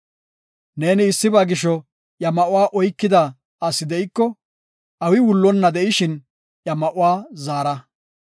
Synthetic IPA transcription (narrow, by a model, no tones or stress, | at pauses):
ne̞ːnɪːsːɪbaːɡɪʃɔ | ʔjɐmɐʔʊwaːʔɔjkːɪd̪ɐ | ɐsːɪd̪ɛʔɪkːɔ | ʔɐwɪwʊlːɔnːɐd̪ɛʔɪʃɪn | jɐmɐʔʊwaːzaːɾɐ